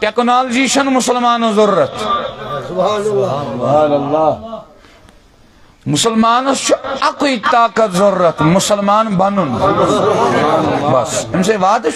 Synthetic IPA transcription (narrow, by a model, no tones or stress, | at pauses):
ʈeknaːld͡ʒiːʃɐnmʊsɐlmaːnozɐɾuːɾɐt̪ | aːnɐlːaː | mʊsɐlmaːnɐst͡ʃʰuɐkuit̪aːkɐt̪zɐɾuːɾɐt̪mʊsɐlmaːnbɐnun | bɐsɪmseʋaːd̪ɐ